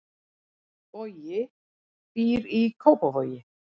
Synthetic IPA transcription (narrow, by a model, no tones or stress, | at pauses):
vɔjɪ | piːɾikʰowpɔvɔɥjɪ